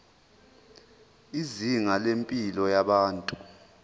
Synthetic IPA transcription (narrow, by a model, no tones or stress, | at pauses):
iziŋalempʼilɔjaɓaːntʼu